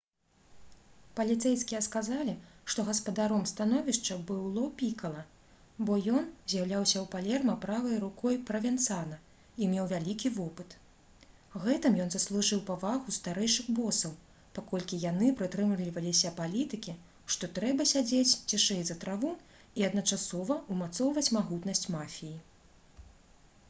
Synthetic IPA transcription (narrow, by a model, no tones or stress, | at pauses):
pɐlʲit̪sɛjskʲijɛskazalʲiʂt̪ɔɣɐspɐd̪aɾɔmst̪anɔvʲiʂt͡ʂɐbɨlˠɔpʲikɐlˠɐ | bɔjɔnzʲjawlʲawsʲɐwpalʲɛrmɐpɾavɐjɾukʰɔjpɾɐvʲɛnt̪sanɐ | imʲewvʲalʲikʲivɔpɨt̪ | ɣɛt̪ɨmjɔnzɐslˠuʐɨwpavaɣust̪aɾɛjʂɨɣbɔsɐw | pakɔlʲkʲijanɨpɾɨt̪ɾɨmlʲivɐlʲisʲɐpalʲit̪ɨkʲi | ʂt̪ɔt̪ɾɛbɐsʲad͡zʲet͡sʲt͡sʲiʂɛjzɐt̪ɾavu | iɐd̪nɐt͡ʂasɔvɐumat̪sɔwvɐt͡sʲmaɣut̪nɐsʲt͡sʲmafʲiji